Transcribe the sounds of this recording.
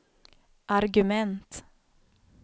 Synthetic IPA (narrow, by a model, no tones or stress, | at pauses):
ʔaɾɡʉmɛnt̪